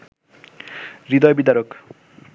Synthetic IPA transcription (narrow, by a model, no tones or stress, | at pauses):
ɾid̪ɔjbid̪aɾok